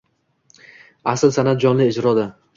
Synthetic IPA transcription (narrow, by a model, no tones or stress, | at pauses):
aslsanat̪̚d͡ʒɒnlɪːd͡ʒɾɒd̪ɪ